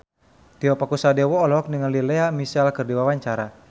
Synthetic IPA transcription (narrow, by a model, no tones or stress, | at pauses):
t̪iɔpakusadɛwɔːlɔɔk̚nəŋənlilɛamisalkɨrdiwawaɲt͡ʃaɾa